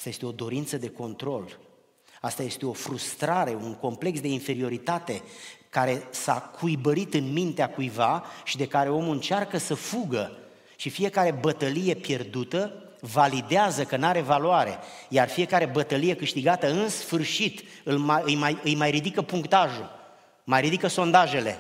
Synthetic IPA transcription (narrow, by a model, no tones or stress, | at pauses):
ast̪aje̞st̪e̞o̞d̪o̞ɾint̪səd̪e̞ko̞nt̪ɾo̞l | ast̪aje̞st̪e̞o̞fɾust̪ɾaɾe̞uŋko̞mple̞ksd̪e̞infe̞ɾio̞ɾit̪at̪e̞kaɾe̞sakʰujbəɾit̪ɨnmint̪eakujvaʃid̪e̞kaɾe̞o̞mɨnt͡ʃarkəsəfuɡə | ʃifije̞kaɾe̞bət̪əlije̞pje̞rd̪ut̪ə | valid̪eazəkənaɾe̞valwaɾe̞̰jarfije̞kaɾe̞bət̪əlije̞kɨʃt̪iɡat̪əɨnsfɨrʃit̪ | ɨlmaɨjmajɨjmajɾid̪ikəpuŋkt̪aʒu | majɾid̪ikəso̞nd̪aʒe̞le̞̰